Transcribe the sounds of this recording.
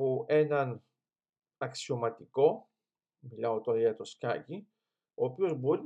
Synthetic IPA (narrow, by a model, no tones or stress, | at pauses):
uʔe̞nɐn | ɐksio̞mɐt̪iko̞ | milɐot̪oɾɐʝɐt̪o̞skɐ̰ci | o̞ːpio̞zbo̞ɾi